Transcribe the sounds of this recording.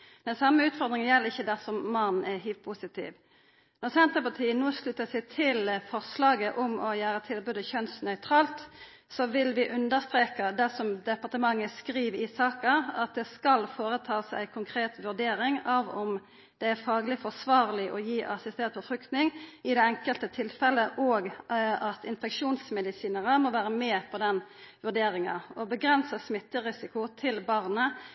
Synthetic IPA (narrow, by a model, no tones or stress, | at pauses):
d̪ɛnsɑmːəʉːt̪fɔʁd̪ɾɪŋənjɛlːɪçːəd̪æʁsɔmmɑnn̩æɦyːp̚pʰusɪt̪ḭːʋ | nɔʁsɛnt̪əpɑʁt̪ʰiːənnoːslʉt̪ːəsɛɪt̪ʰɪlfɔʁslɑːɡəʔɔmɔjæːɾət̪ʰɪlɔbʉd̪əçœnsnœʏt̪ʰɾɑːlt̪ | sɔʋɪlʋɪʔʉnd̪əʁst̪ɾeːkəd̪ɛsɔmd̪ɛpɑʁt̪əmɑŋːəskɾiːʋɪsɑːkəɑt̪̚d̪ɛskɑlfoːʁət̪ʰɑːsæ̰ɪkʰʊŋkʰʁeːt̪ʋʉʁd̪eːɾɪŋɑʋɔm | d̪̥ɛæɾfɑːɡəlɪfɔʁsʋɑːʁlɪʔɔjiːʔɑsɪst̪ɛnt̪̚pʰɔfʁʉkt̪nɪŋɪd̪ɛɛŋkəlt̪ət̪ʰɪlfɛləʔɔːɡɑt̪ʰɪnfɛkʂuːnsmɛd̪ɪsiːnəʁəmɔʋæːɾəmeːpʰɔd̪ɛn | ʋʉʁɖ̪eːɾɪŋɑ̰ɔbəɡʁɛnsəsmɪt̪ːəʁɪsɪkʊt̪ʰɪlbɑʁnə